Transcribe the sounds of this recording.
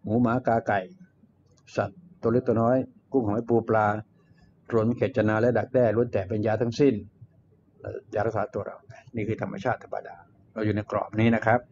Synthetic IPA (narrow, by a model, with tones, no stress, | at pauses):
muː˨˦maː˨˩˦kaː˧ka˨˩j | sa˨˩t̪̚ːle˦˥˩t̪u˧nɔː˦˥jku˥˩˨ŋhɔː˨˦jpuː˧plaː˧ | ɾu˨˩˦nkʰe˨˩t̪̚t͡ɕa˧naː˧lɛ˦˥da˨˩k̚dɛː˥˩lu˧˥ənt̪ɛː˨˩pe˧njaː˧t̪ʰa˦˥˩ŋsi˥˩n | la̰˧˥jaː˧ɾa˦˥k̚saː˩˦t̪u˧ɐɾa̰˧wa˩niː˥˩kʰɯː˧t̪ʰa˧mːa̰˧t͡ɕʰaː˥˩t̪ʰːa˧pːa̰˧daː˧ | ɾa˧wjuː˨˩na˧jkɾɔ̰ː˨˩p̚niː˦˥na˦˥kʰɾa˦˥p̚